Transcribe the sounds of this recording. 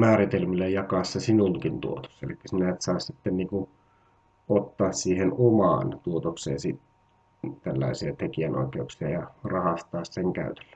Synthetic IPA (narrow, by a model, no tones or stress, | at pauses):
mæːrit̪elmilːæjɑkɑsːesinuŋkint̪ṵot̪o̥sːelikːæ̥sinæet̪sɑˑːssit̪ːenniːku | ot̪ːɑːssiːhenomɑ̰ːnt̪uot̪oksḛːnsit̪ | t̪ælːɑ̰ˑisiɑt̪ekiæno̰ikeuksiɑjɑrɑhɑst̪ɑːsseŋkæ̰yt̪e̥lːæ̥